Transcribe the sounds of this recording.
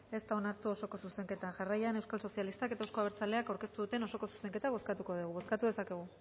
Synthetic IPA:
e̞st̪ao̞naɾt̪uo̞so̞ko̞suse̞ŋke̞t̪aʝarajane̞wskalso̞sijalist̪ake̞t̪aewsko̞aβeɾt͡saleakawɾke̞st̪uðut̪e̞no̞so̞ko̞su̥se̞ŋke̞t̪aβ̞o̞skat̪uko̞ðuɣ̞uβo̞skat̪uðe̞sake̞ɣ̞u

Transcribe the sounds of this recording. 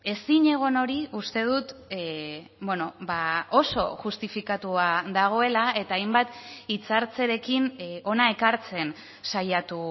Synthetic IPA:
e̞siɲe̞ɣ̞o̞no̞ɾiust̪e̞ð̞ut̪ | beno̞baʔo̞so̞̰ʝust̪ifikat̪uaðaɣ̞o̞e̞lae̞t̪aːjmbat̪it͡saɾt͡se̞ɾe̞kino̞nae̞kaɾt͡se̞n | sajat̪u

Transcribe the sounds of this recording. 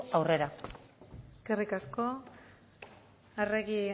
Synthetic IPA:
awre̞ɾa | eske̞rikasko̞ | areɣi

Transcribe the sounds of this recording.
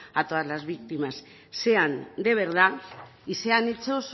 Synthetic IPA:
at̪oazlazβikt̪imas | se̞and̪e̞β̞e̞ɾða | iseanit͡seos

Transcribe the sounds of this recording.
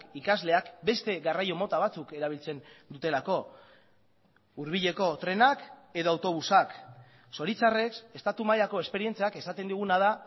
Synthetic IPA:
kikazle̞akbe̞st̪e̞ɣarajo̞mo̞t̪aβat͡suke̞ɾaβ̞ilt͡se̞nd̪ut̪e̞lako̞ | uɾβ̞iʎe̞ko̞t̪ɾe̞nake̞ðo̞awt̪o̞β̞usak | so̞ɾit͡sare̞kse̞st̪at̪umajako̞e̞spe̞ɾie̞nt͡siake̞sat̪e̞nd̪uɣ̞unað̞a

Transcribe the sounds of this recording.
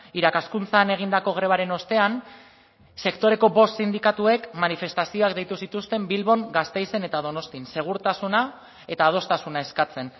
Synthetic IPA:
iɾakaskunt͡saːne̞ɣ̞ind̪ako̞ɣ̞ɾe̞β̞aɾe̞no̞st̪e̞an | se̞kt̪o̞ɾe̞ko̞bo̞ssind̪ikat̪ue̞kmanife̞st̪asio̞ak̚d̪e̞jt̪usit̪ust̪e̞mbilβo̞ŋɡast̪e̞jse̞ne̞t̪aðo̞no̞st̪inse̞ɣ̞uɾt̪asuna | e̞t̪aːð̞o̞st̪asunae̞skat͡se̞n

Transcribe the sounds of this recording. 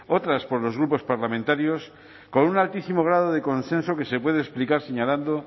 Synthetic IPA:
o̞t̪ɾaspo̞ɾlo̞zɣɾupo̞spaɾlamẽnt̪aɾjo̞s | ko̞nunalt̪isimoɣ̞ɾað̞oð̞e̞ko̞nsẽ̞nso̞ke̞sepwe̞ð̞eːsplikaɾse̞ɲaland̪o

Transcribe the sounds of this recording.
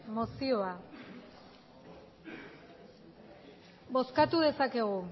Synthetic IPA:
mosio̞a | bo̞skat̪uðe̞sake̞ɣ̞u

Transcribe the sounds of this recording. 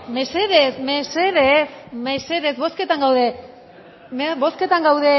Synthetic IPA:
meseðesmeseðesmese̞ðe̞zβo̞ske̞t̪aŋɡawðe̞ | mebo̞ske̞t̪aŋɡawðe̞

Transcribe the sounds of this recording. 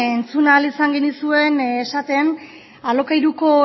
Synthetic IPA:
ent͡sunaːlisaŋɡe̞nisue̞nesat̪e̞n | alo̞kajɾuko̞

